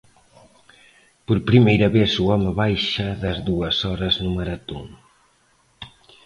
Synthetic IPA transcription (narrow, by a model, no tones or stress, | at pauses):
poɾpɾimejɾɐβesuɔməβajʃɐðɐzðuɐsɔɾɐznumɐɾɐt̪o̰ŋ